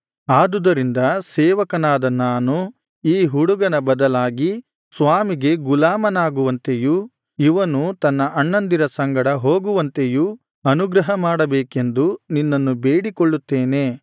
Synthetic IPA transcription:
aːd̪ud̪ɐɾind̪ɐsɛːʋɐkɐnaːd̪ɐnaːnu | iːɦuɽuɡɐnɐbɐd̪ɐlaːɡi | sʋaːmiɡe̞ɡulaːmɐnaːɡuʋɐnt̪e̞ju | iʋɐnut̪ɐnːɐʔɐɳːɐnd̪iɾɐsɐŋɡɐɽɐɦo̞ːɡuʋɐnt̪e̞ju | ɐnuɡɾɐɦɐmaːɽɐbeːke̞nd̪uninːɐnːubeːɽikoɭːut̪ːeːne̞ː

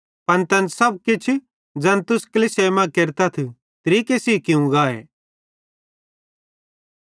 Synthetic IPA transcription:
pɐnt̪ɐnsɐb̚kɪt͡ʃʰ | d͡zɐnt̪ʊskɐliseːmãkeɾt̪ɐt̪ʰ | t̪ɐɾiːkesiːkɪũɡaːḛː

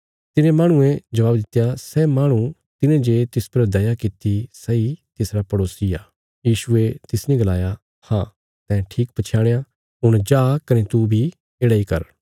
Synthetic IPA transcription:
t̪ɪnẽmãːɽ̃ʊ̃ẽd͡ʒɐʋaːbd̪ɪt̪ːjasɛːmaːɽ̃ũ | t̪ɪnẽd͡ʒet̪ɪspɐɾd̪ɐjakɪt̪isɛit̪ɪsɾapɐɽoːsijaː | jiːʃʊet̪ɪsnĩɡɐlaːja | hãː | t̪ɛ̃ʈʰiːk̚pɐt͡ʃʰjaːɽ̃eja | ɦʊɽ̃d͡ʒaːkɐnet̪ubʱi | eːɽaikɐ̰ɾ

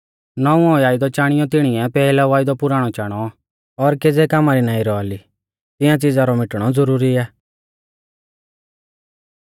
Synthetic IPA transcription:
nɔũɔ̃aːɪd̪ɔt͡ʃaːɽ̃ɪjɔt̪ɪɽ̃ɪjɛpɛːlaʋaːjd̪ɔpʊɾaːɽ̃ɔt͡ʃaːɽ̃ɔ | ɔɾked͡zɛkamaɾinaːĩɾɔali | t̪ɪjãt͡sid͡zaɾɔmɪʈɽ̃ɔd͡zɔɾuːɾiɛː

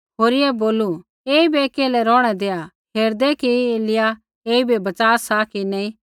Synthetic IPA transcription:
ɦoːɾɪjɛboːlu | eːibɛkɛːlɛɾɔːɽ̃ɛd̪eːa | ɦʰeːɾd̪ɛkieːlɪja | eːibebɐt͡ʃaːsakinɛĩ

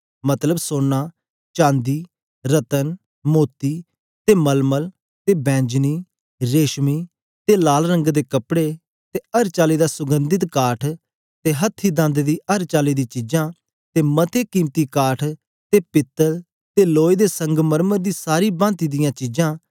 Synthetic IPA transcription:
mət̪ləbsoːnːaː | t͡ʃãːnd̪iː | ɾət̪ən | moːt̪iː | t̪eːməlməl | t̪eːbɛ̃ːɲd͡ʒniː | ɾeːʃmiː | t̪eːlaːlɾə̃ŋɡd̪eːkəpɽeː | t̪eːəɾt͡ʃaːliːd̪aːsʊɡə̃nd̪ɪt̪kaːʈʰ | t̪eːɦət̪ʰːiːd̪ãnd̪d̪iːəɾt͡ʃaːliːd̪iːt͡ʃid͡ʒãː | t̪eːmət̪ʰeːkiːmt̪iːkaːʈʰ | t̪eːpɪt̪ːəɾ | t̪eːloːid̪eːsə̃ŋɡməɾməɾd̪iːsaːɾiːbãːnt̪iːd̪ɪjãːt͡ʃid͡ʒãː

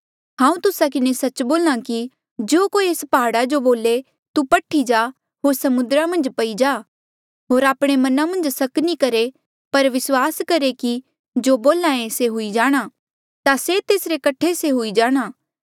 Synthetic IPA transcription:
ɦãːũt̪ʊsak̬ɪnesɐt͡ʃboːlñãki | d͡ʒoːkoːieːspaɦaːɽad͡ʒoboːle | t̪upɐʈʰid͡ʒaː | ɦoːɾsɐmʊ̃nd̪ɾamɐ̃nd͡ʒpɐid͡ʒaː | ɦoːɾaːpɽ̃emɐnamɐ̃nd͡ʒsɐknikɐɾe | pɐɾʋɪswaːskɐɾeki | d͡ʒoːboːlãːẽseɦʊid͡ʒaːɽ̃a | t̪aset̪eːsɾekɐʈʰeseɦʊid͡ʒaːɽ̃aː

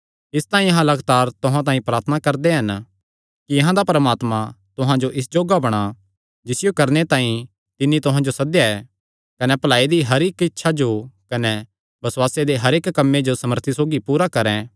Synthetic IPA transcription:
ɪst̪aːĩɐɦãlɐɡt̪aːɾt̪ʊɦãt̪̬ãːĩpɾaːɾt̪ʰənakɐɾd̪eɦɐn | kiɐɦãd̪apɐɾmaːt̪mãt̪ʊɦãd͡ʒoʔɪs̬d͡ʒoːɡabɐɽ̃a | d͡ʒɪsɪjokɐɾnet̪ãːĩ | t̪ɪnːit̪ʊɦãd͡ʒosɐd̪jaɛː | kɐnɛpɐlaːid̪iɦɐɾeːkɪtːʃʰad͡ʒokɐnɛ | bɐswaːsed̪eɦɐɾeːkːɐmːed͡ʒosɐməɾt̪ʰisoːɡipuːɾakɐɾɛ̃

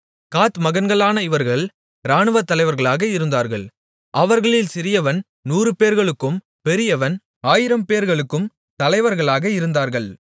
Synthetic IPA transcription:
kaːt̪mɐɣɐnɡɐɭaːnɐɪʋɐɾɣɐɭ | ɾaːɳɯʋɐt̪ːɐlɐɪʋɐɾɣɐɭaːɣɐɪɾɯnd̪aːɾɣɐɭ | ʔɐʋɐɾɣɐɭɪlsɪɾɪjɐʋɐn | nuːrɯpeːɾɣɐɭɯkːɯm | pɛɾɪjɐʋɐn | aːjɪɾɐmpeːɾɣɐɭɯkːɯm | t̪ɐlɐɪʋɐɾɣɐɭaːɣɐɪɾɯnd̪aːɾɣɐɭ

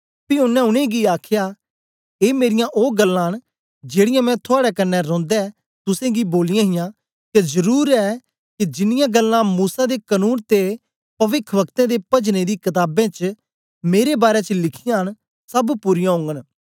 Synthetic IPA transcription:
piʊnːɛ̃ʊnẽɡiaːkʰɪja | eːmeːɾɪjãʔoːɡəlːãːɦən | d͡ʒeːɽɪjãmɛ̃t̪ʰʊaːɽɛkɐnːɛɾɔ̃ːnd̪ɛ | t̪ʊsẽːɡiboːlɪjãːɦɪjãː | kezəɾuːɾɛ | kid͡ʒɪnɪjãːɡəlːãmuːsad̪ekənuːnt̪e | pɐʋɪkʰʋəkt̪ẽːd̪epɐd͡ʒned̪iːkɐt̪aːbẽt͡ʃ | meːɾebaːɾɛt͡ʃəlɪkʰɪjãːɦən | sɐbpuɾɪjãɦʊ̃ːŋɡən

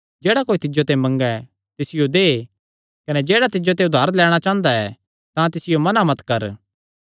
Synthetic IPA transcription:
d͡ʒeːɽakoːit̪ɪd͡ʒot̪ɛ̃mɐ̃ŋɡɛ | t̪ɪsɪjod̪eː | kɐnɛd͡ʒeːɽat̪ɪd͡ʒot̪̬ɛ̃ʊd̪ʱaːɾlɛːɽ̃at͡ʃãːnd̪aɛ | t̪ãt̪ɪsɪjomɐnamɐt̪kɐɾ

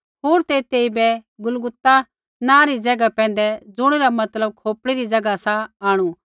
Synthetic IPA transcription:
ɦoːɾt̪et̪eːibɛɡʊlɡʊt̪ːa | nãːɾid͡zɐɡapɛ̃ːn̆d̪ɛd͡zʊɽ̃eɾamɐt̪ləb̚kʰoːpɽiɾid͡zɐɡasaaːɽ̃u

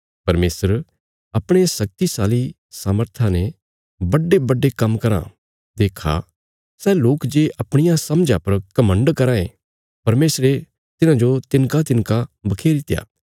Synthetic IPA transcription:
pɐɾmeːsəɾ | ɐpɽ̃esɐk̚t̪isaːli | saːməɾt̪ʰane | bɐɖebɐɖːekɐ̃mːkɐɾã̰ | d̪eːkʰa̰ | sɛːloːkd͡ʒeːʔɐpɽ̃ɪjãsɐmd͡ʒãpɐɾkɐmə̃ɳɖkɐɾãːḛ̃ | pɐɾmeːsɾe | t̪ɪnãd͡ʒot̪ɪnkat̪ɪnkabɐkʰeːɾɪt̪ɪja̰ː

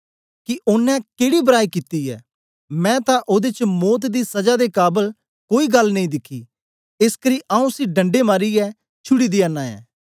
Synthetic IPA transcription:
kɪʔʊnːɛ̃keːɽibəɾaːikit̪iɛ̰ː | mɛ̃ːt̪ãʔod̪et͡ʃmɔːt̪̬d̪isɐd͡ʒad̪eːkaːbəl | koːiːɡɐlnɐĩːd̪ɪkʰːḭː | ɪskəɾiːʔaːũsiɖɐ̃ɳɖemaːɾiɛː | t͡ʃʰʊɽiːd̪ianːaːɛ̰ː

